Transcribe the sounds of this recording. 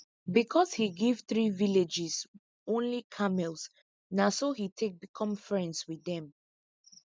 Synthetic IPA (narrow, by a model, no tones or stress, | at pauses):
bikʰɔshiɡivθɹiviled͡ʒiz | õnlikʰamɛls | nasohitʰek̚bikʰɔ̃mfɹɛ̃ndswiðɛ̃m